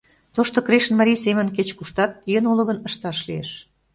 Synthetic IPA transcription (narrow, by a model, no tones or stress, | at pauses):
t̪oʃt̪okɾeʃə̆nmɑɾʲijsemə̆nket͡ɕkuʃt̪ɑt̪̚jənulə̆ɣə̆nəʃt̪ɑʃliḛʃ